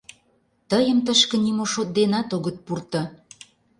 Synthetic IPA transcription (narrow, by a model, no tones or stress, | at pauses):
t̪əjə̆mt̪əʃkə̆nimoʃot̪̚d̪enɑt̪oɣə̆t̪̚purt̪ɤ̆